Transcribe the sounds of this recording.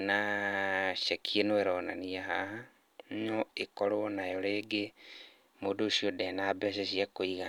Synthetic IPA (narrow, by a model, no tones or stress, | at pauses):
na | ʃekʰienoeɾonaniaɦaha | ɲoekoɾonajoleːɡe | modoʃiodenabɛʃeʃiakoiɣa